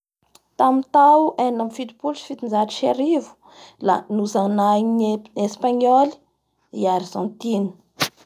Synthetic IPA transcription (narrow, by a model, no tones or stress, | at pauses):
t̪amit̪awʔenamfit̪u̥pulsi̥fit̪ind͡zaʈ͡ʂi̥ʃaɾivu̥ | la̰nuzanainespaɲɔli̥ | iaɾizɔ̃nt̪ini̥